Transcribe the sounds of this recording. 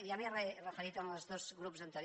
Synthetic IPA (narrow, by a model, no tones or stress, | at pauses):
jaβiarerəfeɾit̪oaməlˠzðozɣɾupzənt̪əɾ